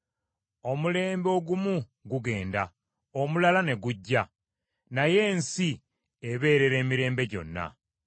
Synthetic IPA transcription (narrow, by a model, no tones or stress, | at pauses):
o̞mule̞ːmbo̞ːɡumu | ɡuɡe̞ːnda | omulalane̞ɡuɟːa | naje̞ːnsi | eβe̞ːɾe̞ɾe̞ːmiɾe̞ːmbe̞ɟo̞̰nːa̰